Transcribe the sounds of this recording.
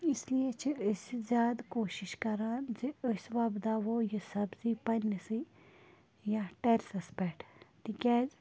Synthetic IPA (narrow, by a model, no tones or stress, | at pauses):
islijet͡ʃʰiəszʲjaːd̪koːʃiʃkɐɾaːnziosʋaːbd̪aːʋoːjisɐbzipɐnisi | jãʈeɾsɐspeʈt̪ikʲɛːz